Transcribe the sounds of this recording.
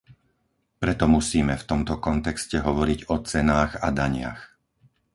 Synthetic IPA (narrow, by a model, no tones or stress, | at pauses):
pɾɛt̪ɔmusiːmɛft̪ɔmt̪ɔkɔnt̪ɛkscɛɦɔʋɔɾiɟɔt͡sɛnaːɣad̪aɲɪa̰x